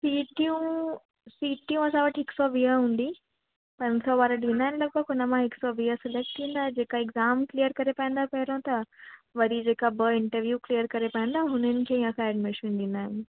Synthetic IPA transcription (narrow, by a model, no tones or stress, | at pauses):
piːʈijũ | siːʈijũɐsãʋɐʈɦɪksɔʋiɦəɦũːn̆d̪i | pɐ̃ɲd͡ʑsɔʋaːɾəɗĩːnd̪aːɪnɪlɐɡ̚bəɡɦʊnəmãɦɪksɔʋiːəsɪlek̚ʈʈʰĩːnd̪aːɦd͡ʑeːkaɪɡzaːmklijəɾkɐɾepɐ̃ĩn̆d̪apɐɦɪɾõt̪ɐʋɐɾid͡ʑeːkabəɪ̃ɳʈəɾʋjuːkliːjəɾkɐɾepãnd̪aɦɦʊnənɪ̆kʰeːijãkʰãɛːɖmɪʃʋĩːnɗ̪ĩːn̆d̪aːɦɪnɪ̆